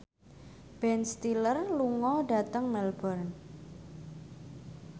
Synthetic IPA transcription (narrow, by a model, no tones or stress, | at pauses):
b̥ɛnst̪ilərluŋɔɖat̪əŋmɛlbərn